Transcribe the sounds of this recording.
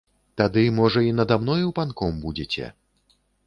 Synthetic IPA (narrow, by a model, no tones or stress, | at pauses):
t̪ad̪ɨmɔʐɐinɐd̪amnɔjiwpankɔmbud͡zʲet͡sʲɛ̰